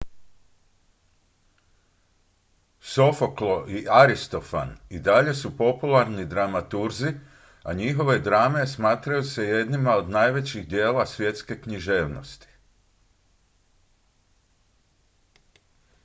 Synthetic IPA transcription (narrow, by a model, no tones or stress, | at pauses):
so̞foklo̞ʔiʔaɾist̪o̞fa̰nid̪aʎe̞supo̞pulˠaɾnid̪ɾamat̪uɾzi | a̰ɲixo̞ʋe̞d̪ɾaːme̞smaːt̪ɾajuse̞je̞d̪nimao̞d̪najʋe̞t͡ɕiɣd̪je̞ːlasʋje̞t̪ske̞kɲiʒe̞ːʋno̞̰st̪i̥